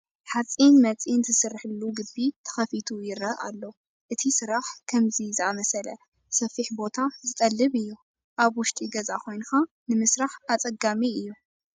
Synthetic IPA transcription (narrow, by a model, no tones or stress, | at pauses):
ħat͡sʼinmɐt͡sʼinzʰɨsɨrːħɨlːuɡɨbit̪ʰɐ̥xɐfit̪ʰujɪɾɐʔa̰lːo | ʔɨt̪ʰisɨɾaħkʰɐmzizɨamɐsɐlɐ | sɐfiħbo̞t̪ʰazɨt̪ʼɐlːɨβɨjːu | ʔaβwʊʃt̪ʼiɡɐzakʰo̞jnɨxa | nɨmɨsɾaħʔat͡sʼɐɡamiɨjːu